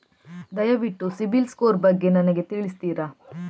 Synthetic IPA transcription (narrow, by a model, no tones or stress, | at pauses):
d̪ɐjɐʋiʈːusibilskoːɾbɐɡːe̞nɐnɐɡe̞t̪iɭist̪iːɾɐ